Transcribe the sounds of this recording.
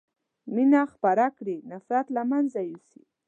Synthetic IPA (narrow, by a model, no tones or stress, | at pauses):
minaxpaɾakɽinafɾat̪lamanzajusi